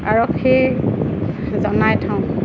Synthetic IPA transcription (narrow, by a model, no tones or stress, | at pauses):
a̰ɹɔkhe | zɔnajtʰãw̃